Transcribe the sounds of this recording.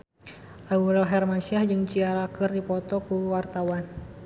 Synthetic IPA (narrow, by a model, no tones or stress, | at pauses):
ʔauɾɛlɦɛrmasiahd͡ʒɨŋt͡ʃiaɾakɨrdipɔt̪ɔkuwart̪awan